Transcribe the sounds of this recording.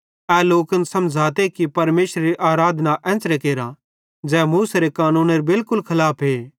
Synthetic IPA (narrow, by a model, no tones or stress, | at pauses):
ɛːloːkənsɐ̃md͡ʒʱaːt̪ekipɐɾmeːʃɾeɾiʔaːɾaːd̪ʱnaʔɛ̃ːt͡ʃɾekeːɾa | d͡ʒɛːmuːseɾekaːnũːneɾebɪlkʊlkʰɐlaːpʰɦeː